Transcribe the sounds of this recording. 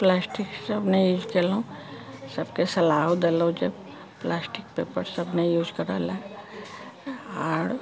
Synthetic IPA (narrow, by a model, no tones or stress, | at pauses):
plaːsʈiksəbnejuːd͡ʒkelũ | səbkesɐlaːɦod̪elõd͡ʒeb | plaːsʈɪk̚pḛːpəɾsəbnejuːd͡ʒkəɾa̰le | ɔːɾ